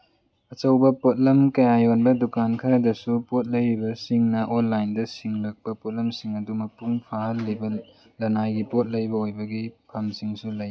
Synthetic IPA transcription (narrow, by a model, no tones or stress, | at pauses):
ɐt͡ʃɐwbɐpot̚lɐmkɐjajonbɐdukankʰɐɾɐdɐsupot̚lɐjɾibɐsiŋnɐʔonlajndɐsiŋlɐk̚pɐpot̚lɐmsiŋɐdumɐpuŋpʰaɦɐlːibɐ | lɐnajɡipot̚lɐjbɐojbɐɡipʰɐmsiŋsulɐj